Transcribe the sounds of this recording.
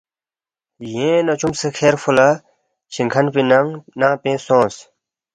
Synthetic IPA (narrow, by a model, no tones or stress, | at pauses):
jẽːnɐt͡ɕumsekʰeːɾfula | t͡ɕʰiŋkʰɐnpinɐŋnãːpẽːsõːs